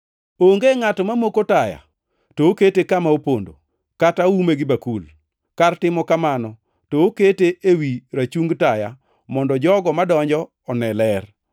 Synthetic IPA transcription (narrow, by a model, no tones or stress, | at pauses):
oŋɡeŋatɔmamokotaja̰ | tooketekamaopondo̰ | kataumeɡɪbakul | kartɪmɔkamanɔ | tooketeʔewiɾat͡ʃuŋɡtaja̰ | mɔndɔd͡ʒɔɡɔmadɔɲd͡ʒɔːnɛlɛr